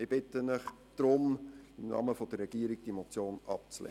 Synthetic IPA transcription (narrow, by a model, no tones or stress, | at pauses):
ɪb̥ɪtːənəχ | d̪̥ɾʊmɪmnɑ̰məfod̥ərːɛɡ̥iəɾiɡ̥̚d̥imot͡sjoːnɑp̚t͡slɛ̰